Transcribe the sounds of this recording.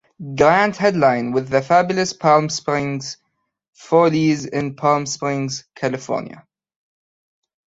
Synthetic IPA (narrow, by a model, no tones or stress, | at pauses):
ɡɹæ̃ndhɛdˡlãɪ̃nwɪðɨfæbjləspʰɑlˠmspɹɪ̃ŋz̥ | folizɪ̃npʰɑlˠmspɹɪ̃ŋz̥kʰælɨfɔ̰ːnjə̰